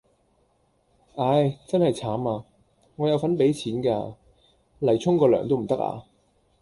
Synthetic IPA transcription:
ʔaː˨˧jt͡sɐ˥nhɐ˨jt͡sʰaː˨˥maː˧ | ŋɔ˨˧jɐ˨˧wfɐ˨˥npe˨˥jt͡sʰiː˨˥nkaː˧ | lɐ˨˩jt͡sʰʊ˥ŋkɔː˧lœ̰ː˨˩ŋt̪o˥wm̩˨˩t̪ɐ˥k̚a̰ː˧

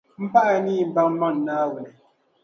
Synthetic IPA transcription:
m̩˦pa˦ʔa˦˨ni˦˨m̩˨ba˦ŋ˦ma˦˨n̩˨naː˦wu˨ne˨

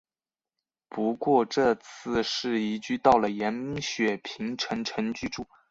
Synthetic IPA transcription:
pu˧˥kwɔ˥˧ʈ͡ʂɤ˥˧t͡sʰɹ̩˥˧ʂɻ̩˥˩i˧˥t͡ɕy˥˧t̪ɑ˥˩ʊlə˩jɛ˧˥nmi˧˥ŋɕɥɛ˨˩pʰi˧˥ŋʈ͡ʂʰə˧˥ŋʈ͡ʂʰə˧˥ŋt͡ɕy˥ʈ͡ʂu˥˩

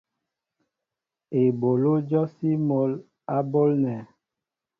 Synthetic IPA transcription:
e˨bo˨lo˦d͡ʒɔ˦si˦mo˨˦l | a˦bo˦lnɛ˨

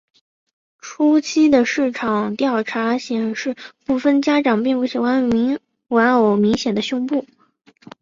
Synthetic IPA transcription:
ʈ͡ʂʰu˥t͡ɕʰi˥d̪ə˨ʂɻ̩˥˩ʈ͡ʂʰɑ˨˩ŋt̪jɑ˥˩ʊʈ͡ʂʰa˧˥ɕjɛ˨˩nʂɻ̩˥˧pu˥˩fə˥nt͡ɕja˥ʈ͡ʂɑ˨˩ŋpi˥˧ŋpu˥˩ɕi˨˩xwa˧˥ni˧˥ŋ | wa˧˥no˧˩ʊmi˧˥ŋɕjɛ˨˩nd̪ə˦ɕjʊ˥ŋpu˥˩

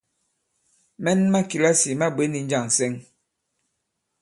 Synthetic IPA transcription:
mɛ˦nma˦ki˨la˦si˨ma˦be˨˦ni˨n̩˦d͡ʒa˦˨ŋ˨sɛ˦ŋ

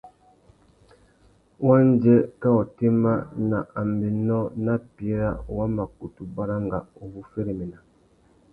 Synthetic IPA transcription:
wa˦n˦d͡ʒɛ˦kɛ˦ɔ˨te˦ma˦na˨ʔa˨m˨bi˨nɔ˦na˦pi˨˦e˦ɾa˦˨wa˦mba˨ku˨tu˨ba˦ɾa˦ŋɡa˨o˨bu˦fe˦ɾe˨me˨na˨

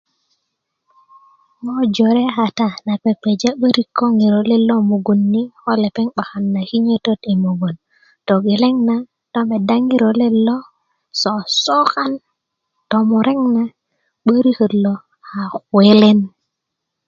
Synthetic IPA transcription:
mo˦d͡ʒo˨ɾe˦ha˨ta˦˨na˨pe˨pːe˨d͡ʒa˦ɓə˦ɾi˨kːo˦ŋi˨ɾo˨le˦lːo˦mo˨ɡo˨nːi˦xo˦le˨pe˦ŋɓa˨xa˨nːa˨ki˦ɲə˦to˦te˨mo˨ɡo˨n | to˨ɡe˨le˦ŋna˨ | to˦me˨da˦ŋi˦ɾo˨le˦lːo˦ | so˨so˦ka˦n | to˨mo˨ɾe˦ŋna˨ | ɓə˦ɾi˦hə˨lːo˨ | ha˨xwe˦le˦n

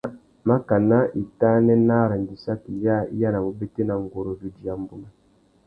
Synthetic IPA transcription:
ma˦ka˨na˦i˨ta˦nɛ˦na˦˨ɾa˨n˨di˨sa˦ki˨lja˦ḭ˦ja˦na˨mo˨be˦te˦na˨ŋ˨ɡo˨ɾo˨vu˨di˨ja˨mbu˦ma˨

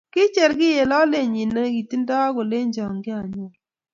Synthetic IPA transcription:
kɪ˦t͡ʃɛ˨ɾɡɪ˦je˨lɔ˦le˦˨ɲi˨nːe˦ɡi˨ti˦n˦dɔ˦a˦ɡʊ˨le˦ɲd͡ʒɔ˨ŋɡɪ˦a˨ɲɔ˨˦

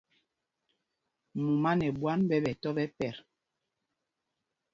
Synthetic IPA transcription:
mu˨ma˦nɛ˨bwa˦nbɛ˦bɛ˨tɔ˦ɓɛ˦pɛ˨ɾ

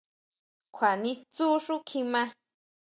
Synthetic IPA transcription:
kʰʷwa˨nĩ˧st͡su˦ʂu˦kʰĩ˧mã˧

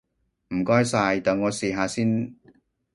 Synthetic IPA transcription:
m̩˨˩kɔː˥jsaː˧jt̪aː˨ŋɔː˨˧siː˨ɦaː˨˧siː˥n

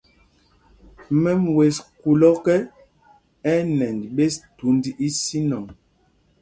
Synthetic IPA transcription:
mɛ˦mwe˨sku˨lɔ˦kɛ˦ | ɛ˦nɛ˨ndɓe˦stu˨˦ndi˦ʔi˦si˦nɔ˨ŋ

